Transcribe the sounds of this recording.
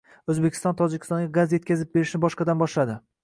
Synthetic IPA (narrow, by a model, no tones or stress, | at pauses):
ɵzbekʲʰɪ̥st̪ɒnt̪ʰɒd͡ʒɪkʲʰɪ̥st̪ɒŋɡʲaɡazje̞t̪̚ʲkʲazɪp̚be̞ɾɪʃnɪbɒʃqɑd̪anbɒʃlad̪ɪ